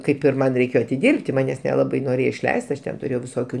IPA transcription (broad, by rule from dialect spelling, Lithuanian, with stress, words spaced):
ˈkɐɪp ɪr ˈmɐn rʲɛɪˈkʲeːjoː ɐtʲɪˈdʲɪrʲpʲtʲɪ ˈmɑːnʲɛs nʲɛˈlˠɑːbɐɪ noːˈrʲeːjoː ɪʃʲˈlʲɛɪst ˈɐʃ ˈtʲɛn tʊˈrʲeːjɛʊ ʋʲɪˈsoːkʲuː